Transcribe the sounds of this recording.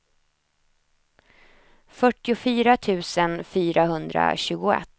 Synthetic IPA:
fœʈːɪʊfyːɾat̪ʰʉ̟ːsənfyːɾaɦɵnd̪ɾa̰ɕʉ̟ːɡʊɛ̰t̪ː

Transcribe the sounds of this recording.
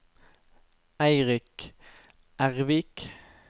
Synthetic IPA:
æɪʁɪk | ʔæʁʋɪk

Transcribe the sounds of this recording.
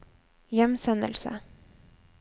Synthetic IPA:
jɛmsɛnd̪ə̰lsə̰

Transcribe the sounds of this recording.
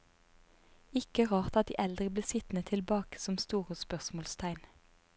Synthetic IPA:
ɪkəʁɑːʁt̪ɑt̪̚d̪ḭːʔɛld̪ʁəbleːsɪt̪nət̪ʰɪlbɑːkə̥sɔmst̪uːʁəspœʁsmoːlst̪ʰæɪn

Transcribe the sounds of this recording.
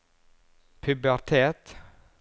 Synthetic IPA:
pʰʉbæɾt̪ʰeːt̪

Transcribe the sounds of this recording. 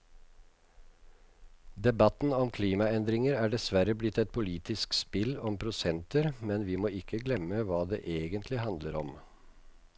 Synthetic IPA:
d̪ɛbɑt̪n̩ɔmkʰliːmɑɛnd̪ɾɪŋəɾæːɖɛsʋæɾəblɪt̪ːɛt̪̚pʰʊliːt̪ʰɪskspɪlɔmpʰɾʊsɛnt̪əɾmɛnʋɪːmoːɪkʰːəɡlɛmːəʋɑːd̪ḛːʔeːɡənt̪ʰlɪhɑnd̪ləɾɔ̰m

